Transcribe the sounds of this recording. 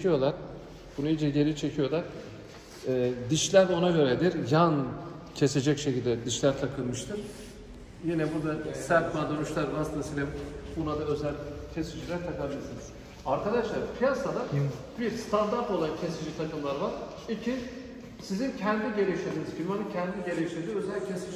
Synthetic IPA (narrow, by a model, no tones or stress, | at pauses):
ijo̞lˠaɾ | b̥unuid͡ʒɛɟe̞ɾit͡ʃʰe̞cʰijo̞lˠaɾ̥ | ɛːd̪iʃʲæɾo̞naɟø̞ɾɛd̪iɾjan | cʰe̞se̞d͡ʒɛcʃecʰilʲd̪ɛd̪iʃlʲæɾt̪ʰakʰɯlˠmɯʃt̪ʰɯɾ̥ | jinɛbuɾd̪asæɾt̪mad̪ønuʃlˠaɾvasɯnasilʲimbunad̪aø̞zælʲcʰe̞sid͡ʒilʲæɾt̪ʰakabilʲiɾsiniz̥ | aɾkad̪aʃlˠaɾpʰijasad̪a | biɾst̪ʰand̪aɾt̪o̞lˠancʰe̞sid͡ʒit̪ʰakɯmlˠaɾvaɾ | icʰi | sizincʰɛnd̪iɟe̞ɾʲeiʃlʲed̪inizɟʰinʲianɯcʰɛnd̪iɟe̞lʲeiʃlʲeɾd̪iø̞zælʲcʰesi